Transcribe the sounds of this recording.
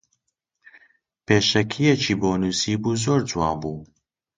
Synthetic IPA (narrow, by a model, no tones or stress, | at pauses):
peːʃɛkʰijɛt͡ʃʰiːboːnuːsiːbuːzoːɾd͡ʒwɑːbuː